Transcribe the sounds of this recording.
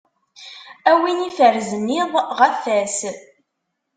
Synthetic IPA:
æwinifəɾzənːiðˤʁəfæs

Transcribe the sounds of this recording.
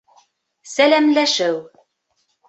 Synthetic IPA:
sælæmlæʃɘw

